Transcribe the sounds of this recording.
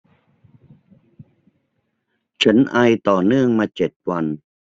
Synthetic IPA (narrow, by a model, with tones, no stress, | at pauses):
t͡ɕʰa˦˥nʔa˧jt̪ɔː˨˩nɯ˥˩əŋmaː˧t͡ɕe˨˩t̪̚wa˧n